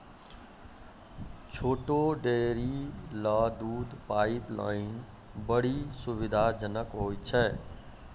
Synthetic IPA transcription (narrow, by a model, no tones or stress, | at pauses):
t͡ʃʰoːʈoɖeɾilad̪ud̪paɪpla̰ɪn | bəɽisuβid̪ʱad͡ʒənəkɦojt͡ʃʰɛ